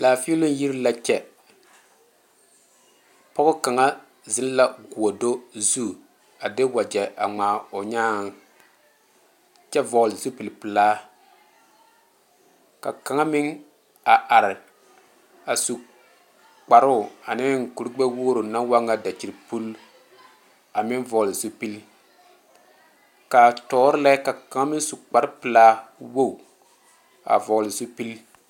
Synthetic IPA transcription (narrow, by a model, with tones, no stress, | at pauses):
laː˨fi˦lʊ˦ji˦ɾla˨t͡ʃɛ˨ | pɔ˦ɡʊ˦ka˨ŋa˦ | zɪ˦n˦la˦ɡu˨o˨do˦zu˦˨ | a˨dɪ˦wa˨d͡ʒɛ˨ʔa̰˨ŋ͡maː˨o˨ɲaː˦˨ŋ˨ | t͡ʃɛ˦vɔ˨lzu˦pɨ˨lpɨ˨laː˦ | ka̰˨ka˨ŋa˦mɪ˦ŋ | a˨ʔa˨ɾɪ˨ | a˨su˨ | k͡pa˨ɾʊ˦˨a˨nɪ˦ŋ̩˨ku˨ɾɪ˦ɡ͡bɛ˦wo˦ɾo˨na˦ŋ˦wa˦ŋːa˦da˨t͡ʃi˨ɾpu˦l | a˨mɪ˦nvɔ˨lɪ˨zo˦pi˦l | ka˨tɔː˨˦ɾɪ˦la˦ka˨ka˨ŋa˦mɪ˦ŋ˦su˨k͡pa˨ɾpɨ˨laː˦wo˦˨ | a̰˨vɔ˨lɪ˨zo˦pi˦l